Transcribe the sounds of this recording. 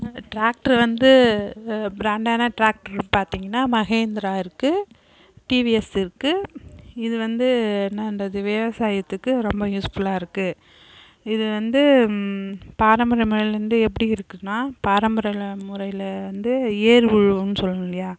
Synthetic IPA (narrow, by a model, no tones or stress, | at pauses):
ʈɾaːk̚ʈɐɾʋɐnd̪ɯ | bɾaːɳɖaːnɐʈɾaːk̚ʈɐɾpaːɾt̪iːŋɡɐnːaːmɐɣeːnd̪ɪɾaːɪɾɯkːɯ | ʈiːʋiɛsɪɾɯkːɯɪðɯʋɐnd̪ɯnɐnɖɐðɯʋɛʋɐsaːjɐt̪ːɯkːɯɾɔmbɐjuːsfɯlaːɪɾɯkːɯ | ɪðɯʋɐnd̪ɯ | paːɾɐmbɐɾɐɪmʊɾɐɪlɾɯnd̪ɯɛp̬ːɐɽiɪɾɯkːɯnːaːpaːɾɐmbɐɾɐlɐmʊɾɐjlɐʋɐnd̪ɯeːɾʋʊɻʋɯnːɯsɔlːɐlɐjaː